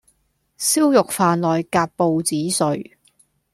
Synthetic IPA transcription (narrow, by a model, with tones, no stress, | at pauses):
siː˥wjʊ˨k̚faː˨˧nlɔː˨jkaː˧p̚po˨˧wt͡siː˨˥sɵ˨ɥ